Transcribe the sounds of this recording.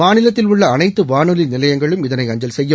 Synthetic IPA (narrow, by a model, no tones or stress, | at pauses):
aːnɪlɐt̪ːɪlʊɭːɐːnɐɪt̪ːɯʋaːnɯlɪnɪlɐjɐŋɡɐɭɯmɪðɐnɐɪɐɲd͡ʒɐlsɛjːɐ